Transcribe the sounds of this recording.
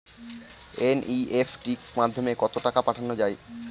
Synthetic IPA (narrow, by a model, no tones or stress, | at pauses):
enʔiefʈikmad̪ʱːomekɔt̪oʈakapaʈʰanod͡ʑae